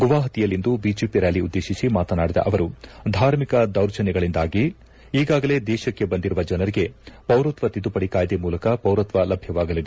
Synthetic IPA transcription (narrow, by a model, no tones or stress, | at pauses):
ɡuʋaːɦɐt̪ijɐlːind̪ubiːd͡ʒeːpiɾalːiud̪ːe̞ːʃisimaːt̪ɐnaːɽid̪ɐ̰ʔɐʋɐɾud̪ʱaːɾmikɐd̪ɐwɾt͡ʃɐnɛɡɐɭind̪aːɡi | iːɡaːɡɐle̞ːd̪ɛːʃɐkːe̞bɐnd̪iɾuʋɐd͡ʒɐnɐɾiɡe̞pɐwɾɐt̪ʋɐt̪id̪upɐɽikaːjɐd̪emuːlɐkɐpɐwɾɐt̪ʋɐlɐbʱjɐʋaːɡɐlid̪e